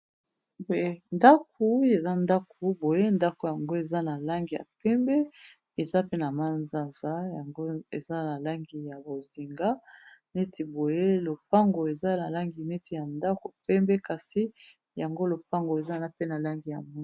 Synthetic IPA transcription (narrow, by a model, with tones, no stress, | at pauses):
bo˨je˦nda˦k̚ʰu˨˦e˨za˦nda˦ko˨˦bo˨je˦nda˦ko˨ja˨ŋɡo˦e˨za˦na˨la˦ŋɡi˨ja̰˨pɛ˦mbɛ˦ | e˨za˦pe˦na˨ma˦nza˨nza˦ja˨ŋɡo˦e˨za˦na˨la˦ŋɡi˨ja˨bo˨zi˨ŋɡa˦ne˦tʰi˨bo˨je˦lo˨pa˦ŋɡo˨e˨za˦na˨la˦ŋɡi˨ne˦tʰi˨ja˨nda˦ko˨pɛ˦mbɛ˦ka˨si˦ | ja˨ŋɡo˦lo˨pa˦ŋɡo˨e˨za˦na˦pe˦na˨la˦ŋɡi˨ja̰˨mu˦˨